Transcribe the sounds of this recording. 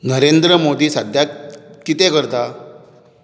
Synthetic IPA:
nəɾend̪ɾəmod̪iːsad̪ʱjat̪̚kit̪ekəɾt̪a

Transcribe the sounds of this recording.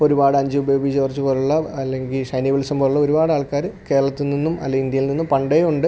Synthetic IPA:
o̞ɾubaːɽɨɐɲd͡ʑɨubɐjoːbit͡ɕeʋɐrt͡ɕːupoːɾuɭːɐɐlːeŋɡilʂɐjniʋɐɭsɐmboːɾuɭːɐoɾubaːɽaːɭkaːɾɨke̞ːɾɐɭɐt̪ːilninːumɐ̰lːeɡind̪jɐjilninːumpɐɳɖejuɳɖɨ

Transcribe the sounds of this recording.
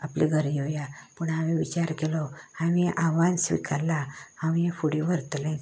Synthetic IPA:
apliɡʱəɾiojapəɳaʋĩʋit͡ɕaɾkelɔaʋiʔaʋãnsʋḭkʰalːaaʋifuɽibʱəɾt̪lẽ

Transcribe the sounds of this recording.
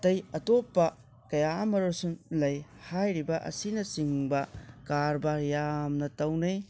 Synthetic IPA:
tɐjɐtopːɐ | kɐjaɐmɐɾusunlɐjhajɾibɐʔɐ̰sinɐsiŋbɐkaɾbaɾjamnɐtɐwnɐj

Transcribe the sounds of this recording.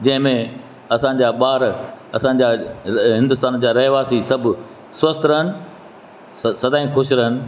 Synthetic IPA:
d͡ʑɐ̃ɦɪ̃mẽ | ɐsã̆ːd͡ʑaːɓaːɾɐsãːɲ̆d͡ʑaːɦɪ̃nd̪ʊst̪aːnd͡ʑaːɾɐɦʋaːsisɐbʱʊ̆ | sʋɐst̪ɾɐɦənɪ̆ | sɐd̪aːĩkʰʊʃɾɐɦənɪ̆

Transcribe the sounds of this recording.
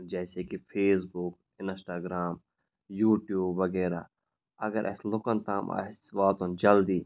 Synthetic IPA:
d͡ʒɛːsekipʰeːs̬bʊk | ɪnsʈaːɡɾaːm | juːʈjuːbʋɐɡɛːɾa̰ | ɐɡəɾʔɐ̰slʊkənt̪ʰaːma̰sbaːt̪õnd͡ʒɐld̪iː

